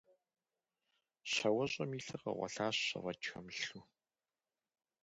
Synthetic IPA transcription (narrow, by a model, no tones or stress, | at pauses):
ɕɐwɐɕʼɐmiːɬɨqɐ̰ʁʷɐ̰ɬaːɕɕɐ̰ʁɐt͡ʃxɐmɬu